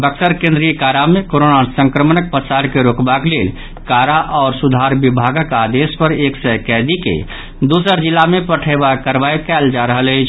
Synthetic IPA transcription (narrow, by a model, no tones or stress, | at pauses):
bəksəɾkẽnd̪ɾijəkaɾamekoɾonasə̃ŋkɾəmənək̚pəsaɾkeɾokbakleːl | kaɾaʔɔːɾsud̪ʱaɾbibʱaɡəkaːd̪espəɾeːksəkɛd̪ikḛ | d̪usəɾd͡ʒilːamepəʈʰəbakəɾbajkɛːld͡ʒaɾəɦələɪt͡ʃʰ